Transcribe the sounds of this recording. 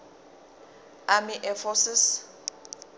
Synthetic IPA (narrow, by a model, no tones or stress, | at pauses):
amɪʔɛfɔsɪs